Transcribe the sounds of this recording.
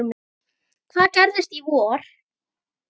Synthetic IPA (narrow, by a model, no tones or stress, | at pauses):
m | kθaðcɛɾðɪst̪ivɔːɾ̥